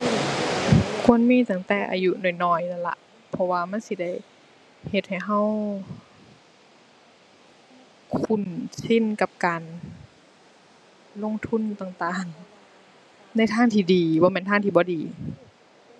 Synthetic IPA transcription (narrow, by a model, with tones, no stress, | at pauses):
kʰu˧˥˨ənmiː˧˥˨t̪aː˧˩ŋt̪ɛː˨˧˩ʔa̰ː˨ju˧nuː˧˩˨jnɔː˧˩jna˧˩nla̰˧ʔ | pʰɔ˧waː˧ma˧˥˨nsi˧˦da˧˩j | he˧t̪̚ha˨˩jɦa˧˩˨w | kʰu˧˩nsi˧˥˨nka˧p̚kaː˨n | lo˧˥˨ŋt̪ʰu˧˥˨nt̪aː˨˩ŋt̪aː˨˩ŋ | na˧˥˩jt̪ʰaː˧˥˨ŋt̪ʰiː˧˩diː˨bɔː˧˦mɛː˧˨nt̪ʰaː˧˥˨t̪ʰiː˧˩bɔː˧˦diː˨